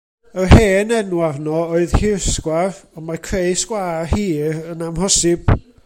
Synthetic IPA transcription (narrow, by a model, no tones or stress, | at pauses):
ərheːnɛnwarnɔoɨðhɪrskwarɔmarkʰrejskwaːrhiːɾənamhɔsɪb̥